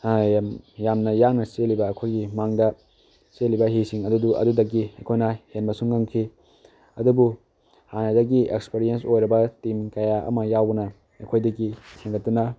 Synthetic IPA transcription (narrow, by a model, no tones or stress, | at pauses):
jamjamnɐjaŋnɐselibɐːkʰojɡimaŋdɐ | selibɐɦisiŋɐduduʔɐ̰dudɐkːiɐjkʰojnahenbɐsuŋːɐŋkʰi | ɐdubu | hanɐdɐɡiḛkspeɾijensojɾɐbɐtimkɐjaʔɐ̰mɐjawbɐnɐ | ɐkʰojdɐɡitʰeŋɡɐtːunɐ